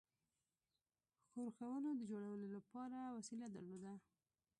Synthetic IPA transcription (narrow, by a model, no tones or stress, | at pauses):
xoɾxawənod̪əd͡ʒoɽawəlolapɑɾawasilad̪əɾlod̪a